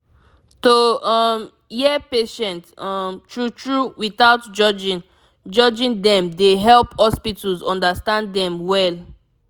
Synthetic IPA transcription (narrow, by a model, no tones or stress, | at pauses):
toɔm | jɛpeʃɛ̃ntɔmtɹutɹuwiθaʊtd͡ʒɔd͡ʒĩn | d͡ʒɔd͡ʒĩndɛ̃mdeɦɛlphɔspitulzɔ̃ndastãndɛ̃mwɛl